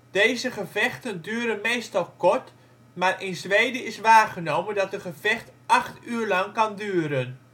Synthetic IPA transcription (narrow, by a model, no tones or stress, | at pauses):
d̥ejzəχəvɛχtəndyːɾənmejstɑlˠkɔrt | maːrʔɪnzʋejdəɪsʋaːχənowməndɑtətχəvɛxtʔɑχtyːərlɑŋkɑndyːəɾən